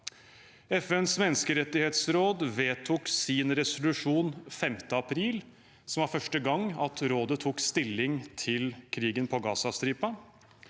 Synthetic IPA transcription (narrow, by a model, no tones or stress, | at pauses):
ɛfɛnsmɛnːəskəɾɛt̪ːɪheːt̪sɾoːd̪ʋeːt̪ʰuːksɪnɾɛsʊlʉʂuːnfɛmt̪əɑpʰɾiːl | sɔmʋɑːɾfœʂʈəɡɑŋːɑt̪ɾoːd̪ət̪ʰuːkst̪ɪlːɪŋt̪ʰɪlkʰɾiːɡənpʰɔɡɑːsɑst̪ɾiːpɑ